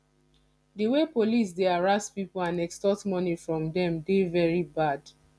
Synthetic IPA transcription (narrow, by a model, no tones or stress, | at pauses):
dəwepolis̬deaɹaspipolãnɛkstɔtmɔnifɹɔ̃mdɛ̃mdevɛɹibad̥